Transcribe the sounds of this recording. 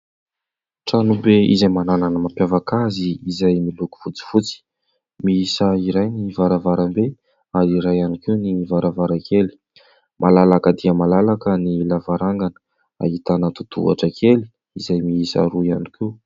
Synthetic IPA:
ʈ͡ʂanubeḭzajmanananəmampjavakaziːzajmiluku̥fut͡si̥fut͡si̥ | miisəiɾajnivaɾavaɾambe | aɾiɾajanikewnivaɾavaɾakeli̥ | mʔalalakəd̪iəmalalakənilavaɾaŋɡanə̥ | a̰it̪anət̪u̥t̪ṵa̰ʈ͡ʂəkʰeli̥ | izajmiisa̰ɾuianiki

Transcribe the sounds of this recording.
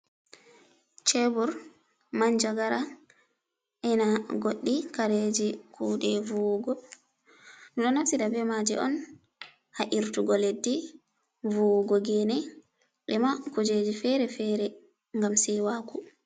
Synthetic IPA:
t͡ʃɛbuɾ | maɲd͡ʒaɡaɾa | ʔɛnaɡoɗːikaɾed͡ʒikʰuːɗɛvuɡɔ | nuɗɔnafsiɗabɛmad͡ʒɛ̰ʔɔ̰n | haʔiɾtuɡɔledːi | vuɡɔɡɛnɛ | ɓɛmakud͡ʒed͡ʒifɛɾɛfɛɾɛ | ŋɡamsɛwaku

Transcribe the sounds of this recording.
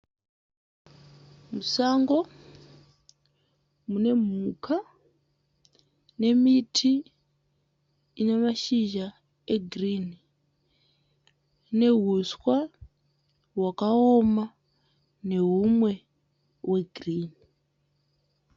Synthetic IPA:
musaŋɡo̞ | mune̞m̤ukʰa | ne̞mitʰi | ine̞maʃiʒa | e̞ɡʱrini | ne̞ɦuswa | wakaoma | ne̞ɦumwe̞ | we̞ɡʱriːni

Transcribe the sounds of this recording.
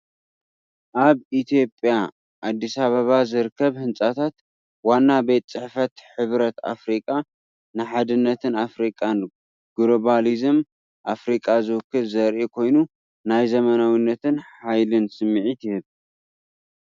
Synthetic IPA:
ʔaβit̪ʰijo̞pʼja | ʔad̪ːisaβɐβazɨɾɨkʰːɐβhɨnsʼat̪ʰat̪ | wanːabet̪ʼt͡sʼɨħfɐt̪ħɨβɾɐt̪a̰fɾikʼa | nɨħad̪ɨnːɐt̪ʰɨnafɾikʼan | ɡ̥ɾoβalizɨm | ʔafɾikʼazɨwɨkʰːɨβzɐɾʔekʰo̞jnu | najzɐmɐnawinːɐt̪ʰɨnħajlɨnsɨmːʕit̪ʰɨhɨβ

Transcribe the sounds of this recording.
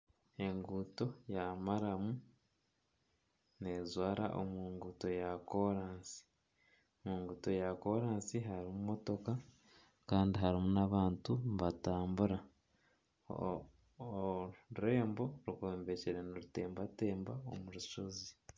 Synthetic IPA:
e̞ŋɡuto̞jamaɾamu | ne̞zwaːɾa̰ʔo̰miːŋɡuto̞jako̞ɾaːnsi̥ | omiːŋɡuto̞jako̞ɾaːnsiɦaɾimumo̞to̞ka | kaːndiɦaɾimunaβaːntuβataːmbuɾa | ɾe̞ːmbo̞ɾukoːmbe̞ceɾenoɾute̞ːmbate̞ːmbao̰muɾuʃozi

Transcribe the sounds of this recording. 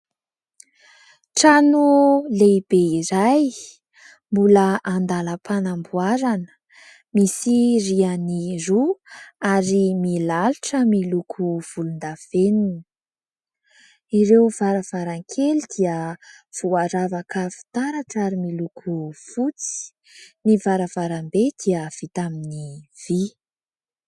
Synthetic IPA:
ʈ͡ʂanuleb̥eiɾaj | mbuləʔand̪aləpʰanambuaɾanə̥ | misirianiruaɾimilaluʈ͡ʂəmilukʰuv̥ulund̪av̥enin | iɾewv̥aɾəv̥aɾaŋkʰelid̪̥iə | v̥uaɾavakʰəfi̥t̪aɾaʈ͡ʂaɾimilukʰufut͡si̥i̥ | nivaɾəv̥aɾambed̪̥iəv̥it̪aminiv̥i

